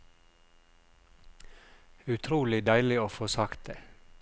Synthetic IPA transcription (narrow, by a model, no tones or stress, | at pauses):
ʉt̪ʰɾuːlɪd̪æɪlɪoːfoːsɑkt̪̚d̪̥eː